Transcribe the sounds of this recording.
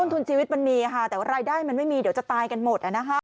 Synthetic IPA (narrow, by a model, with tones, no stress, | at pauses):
nt̪ʰu˧nt͡ɕʰiː˧wi˦˥t̪̚ba˧nmiː˧˩kʰa˥˩t̪ɛː˨˩wa˥ɾaː˧jdaː˥˩jma˧nma˥˩jmiː˧di˨˩˦wt͡ɕa˨˩t̪aː˧jka˧nmo˨˩t̪̚ʔa˨˩na˦˥kʰa˦˥